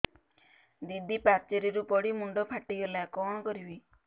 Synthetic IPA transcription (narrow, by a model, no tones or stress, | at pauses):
d̪id̪ʱipak̚t͡ʃeɾiɾupɔɽimuɳɖɔpʰaʈiɡelakɔɽ̃ɔkɔɾibi